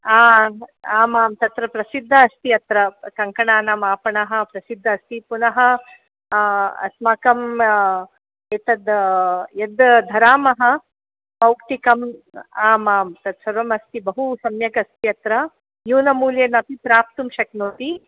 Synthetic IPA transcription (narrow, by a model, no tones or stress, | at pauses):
aːaːmaːmt̪ɐt̪ɾɐpɾɐsid̪ʱːɐːst̪iɐt̪ɾɐkɐŋkɐɳaːnɐmaːpɐɳɐɦɐ̆pɾɐsid̪ʱːɐːst̪ipunɐɦɐ | ɐ̰smɐkɐm | eːt̪ɐd̪jɐd̪d̪ʱɐɾaːmɐɦɐ̆ | pɐwkt̪ikɐmaːmaːmt̪ɐd̪sɐɾʋɐmɐst̪ibɐɦusɐmjɐkɐst̪iɐt̪ɾɐ | juːnɐmuːljenɐt̪ipɾaːp̚t̪umʃɐknoːt̪i